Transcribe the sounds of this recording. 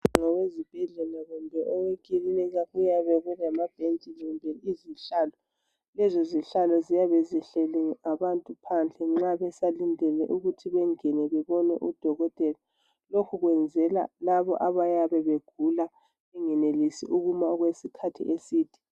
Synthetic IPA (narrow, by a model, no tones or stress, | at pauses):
ŋɔwezib̥ʱɛɮɛlaɣumbʱɛʔɔwekʼilinɛɣaɣujaβɛβɛnamab̥ʱent͡ʃʼiliumbʱɛliziɬaːlɔ | lɛzoziɬalɔzijaβɛziɬɛlɛŋaβantʼupʰand͡ɮʱɛŋ͡ǁaβɛsalindʱɛlɛ̰ʔuɣutʰiβɛŋɛnɛβɛβɔnɛ̰ʔud̥ʱɔɣɔtʼɛla | lokʰuɣwɛnd͡zʱɛla̰laβɔ̰ʔaβajaβɛβeɡ̥ʱula | ɛŋɛnelisḭʔuɣumaɔɣwesikʰatʰḭʔesiːd̥ʱi̥